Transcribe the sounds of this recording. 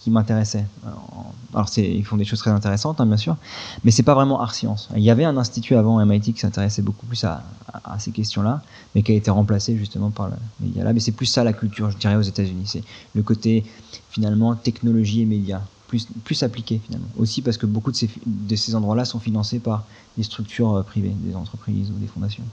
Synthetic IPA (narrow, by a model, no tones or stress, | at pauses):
kʲimɛ̃t̪eʁɛsɛø̰̃a̰lɔʁsɛḭlfɔ̃d̪eʃoz̥t̪χɛzɛ̃t̪eʁesɑ̃t̪ɛ̃bjɛ̃s̬yːʁmɛsɛpavʁɛmɑ̃ʔa̰ʁsjɑ̰̃sɛ̰iljavɛɛ̃nɛ̃st̪it̪ʰyavɑ̃ɛmajt̪̬ikʲi̥sɛ̃t̪eʁɛsɛboku̥plysa̰ːsekʲɛst̪jɔ̃la | mɛkɛlet̪ɛʁɑ̃plaseʒyst̪əmɑ̃paʁlə̰mḛd̪ja̰lʔa̰mɛsɛplysːalakʲylt̪yʁʒəd̪iʁɛozet̪azynisɛləkot̪efinalmɑ̃t̪ɛknɔlɔʒiemed̪japlysplysaplikʲefina̰lmɑ̰̃ʔo̰sipaʁsə̥kəbokud̪əsefd̪əsezɑ̃d̪ʁwalasɔ̃finɑ̃sepaʁ | d̪est̪χyk̚t̪ʰyʁøpχivḛd̪ḛzɑ̃t̪χəpχḭzud̪efɔ̃d̪asjɔ̰̃